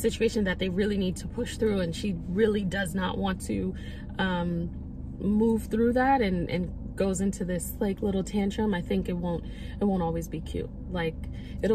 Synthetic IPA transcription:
sɪt͡ʃʉeɪʃɨ̃nðɨt̪̚ðeɪɹɪlˠinid̚tʰəpʰʊʃθɹʉɨ̃nʃiɹɪlˠidʌznə̰ʔwɑ̃ntʰɨ | ʌ̃m | muv̥θɹʉðæɾɨ̃nʔɨ̰̃nɡ̥oʊzɪ̃ntʰʉðɪsleɪklɪɾl̩ˠtʰæ̃nt͡ʃʰɹ̥ʌ̃maɪθɪ̃ŋkɨt̚wõʊ̃nt̚ | ɨt̚wõʊ̃ntɔlˠwizbikʰj̥ʉ̰t̚laɪk | ɨɾ

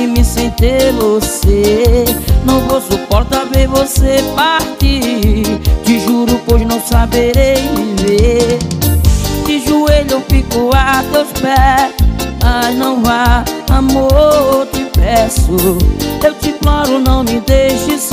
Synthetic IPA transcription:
ɪmɪsẽnt̪evose | nɐ̃w̃vosupɔɾt̪ɐveɾvosepaɾt͡ʃi | t͡ʃɪʒuɾʊpojznɐ̃w̃sabeɾejɪve | tɪʒueʎewfikʊat̪ewspɛsmaznɐ̃w̃vaamot͡ʃ̪ɪpɛsʊewt͡ʃ̪ɪplɔɾʊnɐ̃w̃mɪd̪ejʃɪs

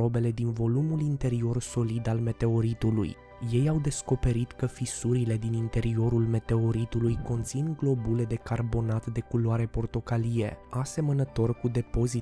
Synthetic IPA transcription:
o̞be̞le̞d̪invo̞lumulint̪e̞ɾio̞rso̞lid̪alme̞t̪e̞o̞ɾit̪ulṵj | je̞jawd̪e̞sko̞pe̞ɾit̪kəfisuɾile̞d̪inint̪e̞ɾio̞ɾulme̞t̪e̞o̞ɾit̪ulujko̞nt̪sinɡlo̞bule̞d̪e̞karbo̞nat̪d̪e̞kulaɾe̞po̞rt̪o̞kalije̞̰ase̞mənət̪o̞rkud̪e̞po̞zi

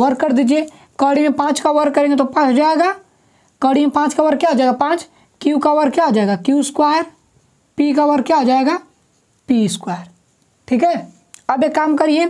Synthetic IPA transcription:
wəɾkːəɾd̪iːd͡ʒie | kəːɽimẽpãːt͡ʃkəwəɾkːəɾẽɡet̪opãːt͡ʃd͡ʒaːeɡaː | kəɽimẽpãːt͡ʃkɐwəɾkjad͡ʒaːeɡapãːt͡ʃ | kjukəʋəɾkjad͡ʒaeɡakjuskwaːjəɾ | pikəwəɾkjad͡ʒaːeɡa | piskwaːjəɾ | ʈʰiːkɦɛ | ɐbjekaːmkəɾie

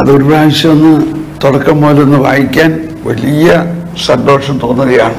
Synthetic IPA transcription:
ɐðo̞ɾupaːʋiɕːɐɐnːɨt̪oɽɐkːɐmboːlenːɨʋa̰ːjikʲːaːn | ʋɐlijɐ | sɐɖo̞ːʂɐmt̪o̞ːnːɐðija̰ːɳɨ

